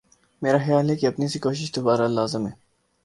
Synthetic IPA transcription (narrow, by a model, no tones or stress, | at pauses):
meːɾaxjaːlɦekeɐpnisikoːʃɪʃd̪obaːɾalaːzɪmɦɛː